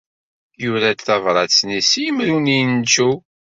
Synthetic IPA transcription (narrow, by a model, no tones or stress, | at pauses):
juɾæθɑvɾˤɑt͡sːnisijəmɾunint͡ʃːu